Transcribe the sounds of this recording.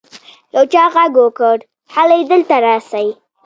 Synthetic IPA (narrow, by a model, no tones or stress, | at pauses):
jawt͡ʃɑɣaɡokəɽ | halajd̪əlt̪aɾɑsaji